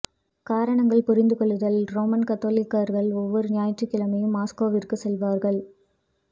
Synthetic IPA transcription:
kaːɾɐɳɐŋɡɐɭpɔɾɪnd̪ɯkɔɭːɯðɐlɾoːmɐnkɐt̪ːoːlɪkːɐɾɣɐɭɔʋːɔɾɯnɪjaːjɐʈrɯkːɪlɐmɐjɯmːaːskoːʋɪrkɯsɛlʋaːɾɣɐɭ

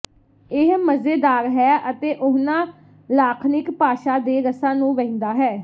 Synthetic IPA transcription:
ɪɦməzeːd̪aːɾɦɛːʔət̪eːʔʊɦnãː | laːkʰnɪkpaːʃaːd̪eːɾəsãːnũːʋɛ̃ĩnd̪aːɦɛː

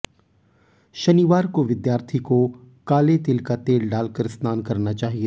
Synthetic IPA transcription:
ʃɐniːʋaːɾkoʋɪd̪jaːɾt̪ʰiko | kaːlet̪ɪlkat̪eːlɖaːlkəɾɪst̪ʰaːnkɐɾnat͡ʃaːɦie

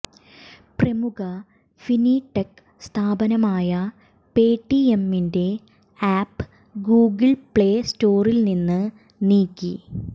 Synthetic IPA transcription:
prɐmuɣɐ | finiːʈːek | st̪ʰaːbɐnɐmaːjɐ | peːʈːiemːinde̞ | aːpːɨ | ɡuːɡɨɭpɭe̞ːsto̞ːrilninːɨ | niːkːi

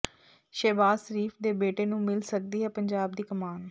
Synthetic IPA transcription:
ʃɛːbaːsəɾiːfʰd̪eːbeːʈeːnũːmɪlsək̚d̪iːɦɛːpəɲd͡ʒaːb̚d̪iːkəmaːn

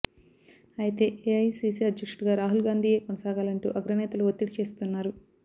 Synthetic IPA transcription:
ɐjit̪e̞ːʔeɐjsiːsiɐd̪ʱjɐkʂuʈɡaːɾaːɦulɡaːnd̪ʱiːje̞ːkonɐsaːɡaːlɐɳʈṵːʔɐɡɾɐnɛːt̪ɐluʋot̪ːiʈit͡ʃe̞ːst̪unːaːɾu

